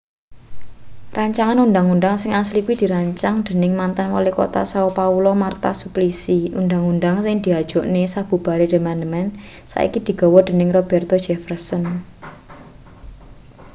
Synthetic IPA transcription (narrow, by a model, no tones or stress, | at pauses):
rʔaɲt͡ʃaŋanund̪aŋund̪aŋsɪŋaslikuwid̪̥i̤ɾaɲt͡ʃaŋd̪̥e̤nɪŋmant̪anwa̰leko̰t̪a̰saopaulɔmart̪asuplisiṵnd̪aŋund̪aŋsɪŋd̪̥i̤ḁʒ̥ɔ̤ʔnesab̥ṳb̥a̤ɾed̪̥e̤mand̪əmɛn | sa̰ʔḭkid̪̥i̤ɡ̥ɔ̤wɔd̪̥e̤nɪŋrɔb̥ɛrt̪ɔ̥d͡ʒ̥ɛfərsən